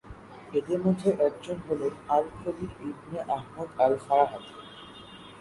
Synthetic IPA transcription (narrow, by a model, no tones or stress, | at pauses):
ed̪eɾmod̪ʱːeʔɛk̚d͡ʑonɦolenalkod̪iɾibneʔaɦmod̪alfaɾaɦat̪